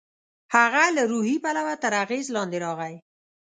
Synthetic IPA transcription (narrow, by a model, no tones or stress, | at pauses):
haɣalaɾuhipalawat̪əɾaɣezlɑnd̪eɾɑɣaj